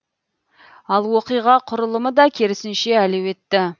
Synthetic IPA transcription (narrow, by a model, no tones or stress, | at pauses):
ɑlˠwo̞qijʁɑqʰʊɾəlˠəməd̪ɑkʲʰe̞ɾɪsɪnʃe̞ælewe̞t̪ːɪ